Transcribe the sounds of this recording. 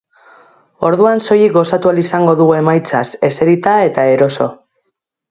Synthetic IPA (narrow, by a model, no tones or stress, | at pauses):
o̞ɾðuanso̞jikɡo̞sat̪ualisaŋɡo̞ðuɣue̞majt͡sase̞se̞ɾit̪ae̞t̪ae̞ɾo̞so̞̰